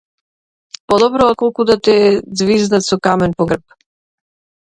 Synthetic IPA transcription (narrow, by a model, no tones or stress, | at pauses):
pɔd̪ɔbɾɔakɔlˠkud̪at̪ɛd̪zviznat̪sɔkamɛnpɔɡr̩p̚